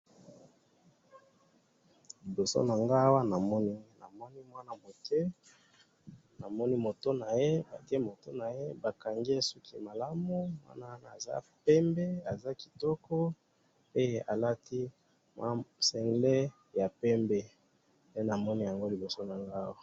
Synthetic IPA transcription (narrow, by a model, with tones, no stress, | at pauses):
li˨bo˨so̰˦na˨ŋɡa˦wa˦na˨mɔ˦ni˦ŋɡe˦na̰˨mɔ˦ni˦mwa˦na˨mo˨tʰe˦ | na˨mɔ˦ni˦mo˨to˦na˨je˦ba˨ti˦e˦mo˨to˦na˨je˦ba˨ka˨ŋɡi˦e˦su˦ki˦ma˨la˦mu˦mwa̰˦na˦na˨za̰˦pɛ˦mbe˦a˨za˦ki̥˨tɔ˦kɔ˦ | e˦je˦ʔa̰˨la˦tʰi˦ | mwa˦sɛ˨ŋɡle˦ | ja˨pɛ˦mbe˦ | ne˦na˨mɔ˦ni˦ja˨ŋɡo˦li˨bo˨so˦na˨ŋɡa˦wa˦